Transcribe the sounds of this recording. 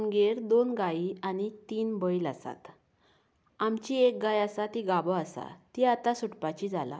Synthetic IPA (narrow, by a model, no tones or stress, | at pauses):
nɡeɾd̪onɡaiañit̪iːnbəjlasa̰t̪ | amt͡ɕiek̚ɡajasat̪iɡabəasa̰t̪iat̪asuʈpat͡ɕid͡zʱala̰